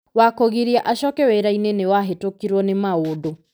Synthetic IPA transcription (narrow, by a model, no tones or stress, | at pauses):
wakoɣiɾiaʔaʃɔkɛwɛɾainenewaɦetokiɾwɔnemaodo